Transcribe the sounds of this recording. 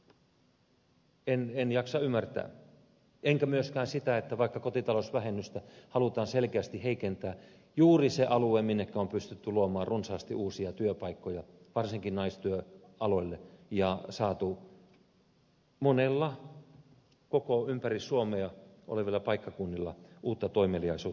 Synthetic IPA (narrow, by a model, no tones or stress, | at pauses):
enenjɑksɑymːært̪æ̰ː | eŋkæmyøskæːnsit̪æet̪ːæʋɑikːɑkot̪it̪ɑlosʋæhenːyst̪æhɑlut̪ɑːnselkeæst̪iheikent̪æː | juːriseʔɑlueminːekːæompyst̪yt̪ːyluomɑːrrunsɑːst̪iʔuːsiɑt̪yøpɑikːojɑ | ʋɑrsiŋkinnɑist̪yø | ʔɑloilːejɑsɑːt̪u | monelːɑ | kokoympærisːuomeɑʔo̰leʋilːɑpɑikːɑkunːilːɑ̰ʔuːt̪ːɑt̪oimeliɑisuː